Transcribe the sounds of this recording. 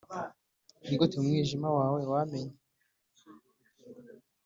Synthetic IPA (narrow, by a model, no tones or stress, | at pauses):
niɡotiumŋiːʒimawaːwewameɲe